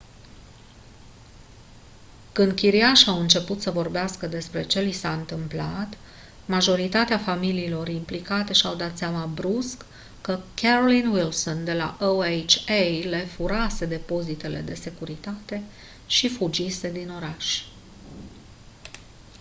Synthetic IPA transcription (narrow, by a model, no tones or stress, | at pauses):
kɨnd̪̚kʲiɾiaʃawɨnt͡ʃe̞put̪səvo̞rbeaskəd̪e̞spɾe̞t͡ʃe̞ljsaɨnt̪ɨmplat̪ | maʒo̞ɾit̪at̪eafamiliːlo̞rimplikat̪e̞ʃiawd̪at̪seamabɾuskː | əkʲeɾolinwilso̞nd̪e̞la̰ʔoejt͡ʃejle̞fuɾase̞d̪e̞po̞zit̪e̞le̞d̪e̞se̞kuɾit̪at̪e̞ | ʃifud͡ʒise̞d̪ino̞ɾaʃʲ